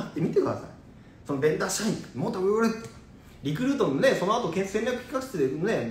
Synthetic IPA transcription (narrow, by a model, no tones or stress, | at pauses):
t̪ːemʲit̪e̞kɯ̟d̪a̰sa̰i | so̞nobẽ̞nd̪aːɕaĩŋmoːt̪oɡooɾɯt̪ː | ɾʲik̬ɯ̟ɾɯt̪õ̞none̞so̞noat̪okẽ̞sẽmɾʲakɯ̟çʲi̥kakɯ̥t̪ed̪ene